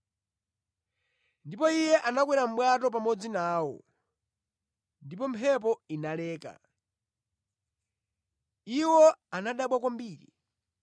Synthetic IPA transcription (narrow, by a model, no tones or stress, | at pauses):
ndipɔijɛʔanak̬wɛɾam̩ɓwatɔp̬amɔd͡zinaːwɔ̰ | ndipɔmpʰɛp̬ɔinalɛːka̰ | iwɔanaɗaɓwakwambiːɾḭ